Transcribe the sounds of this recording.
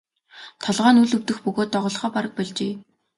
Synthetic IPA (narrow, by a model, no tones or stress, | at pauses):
t̪ʰɔɮʁaːnuɮɵwt̪ɵ̆xpɵɣoːt̪ːɔʁʊːɮχɔːpaɾə̆k̚pæɮt͡ɕeː